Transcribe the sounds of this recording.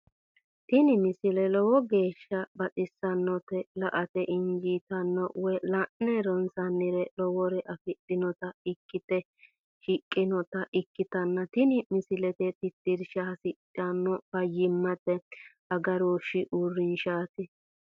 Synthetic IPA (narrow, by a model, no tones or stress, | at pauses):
t̪ɪnɪmɪsɪlɛlɔwɔɡe̞ːʃːɐbɐt͡sʼɪsːɐnːɔt̪ɛlɐʔɐt̪ɛʔɪnd͡ʒit̪ɐnːɔwɛlɐʔnːɛɾɔnsɐnːɪɾɛlɔwɔɾɛʔɐfɪtʼːɪnɔt̪ɐɪkːɪt̪ɛ | ʃɪkʼːɪnɔt̪ɐʔɪkːɪt̪ɐnːɐt̪ɪnɪmɪsɪlɛt̪ɛt̪ɪt̪ːɪɾʃɐɐsɪtʼːɐnːɔb̥ɐjːɪmːɐt̪ːɛ | ɐɡɐɾoʃɪʔurːɪnʃaːt̪ɪ